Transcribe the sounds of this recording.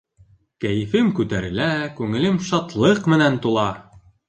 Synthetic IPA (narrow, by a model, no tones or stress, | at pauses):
kæjɘ̆fɘmkʉt̪æɾɘ̆lækʉŋɘ̆lɘmʃɑt̪lˠɤqmɘ̆nænt̪ulˠɑ